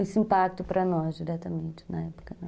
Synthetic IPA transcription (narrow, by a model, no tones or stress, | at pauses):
esĩmpak̚t̪ʊpɾɐnɔzd̪iɾɛt̪ɐmẽnt̪ɪ̥nɐɛpo̥kɐnɐ̃